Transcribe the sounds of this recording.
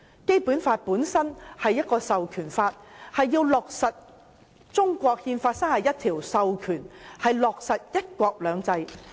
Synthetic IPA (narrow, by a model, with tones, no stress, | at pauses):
ke˥jpuː˨˥nfaː˧t̚puː˨˥nsɐ˥nhɐ˨jːɐ˥t̚kɔː˧sɐ˨wkʰyː˨˩nfaː˧t̚hɐ˨jːiː˧wlɔː˨k̚sɐ˨t̚ | t͡sʊ˥ŋkʷɔː˧k̚hiː˧nfaː˧t̚sɐ˥ŋhɐ˨jɐ˥t̪ʰiː˨˩wsɐ˨wkʰyː˨˩nhɐ˨jlɔː˨k̚sɐ˨t̚jɐ˥t̚kʷɔː˧k̚lœː˨˧ŋt͡sɐ˧j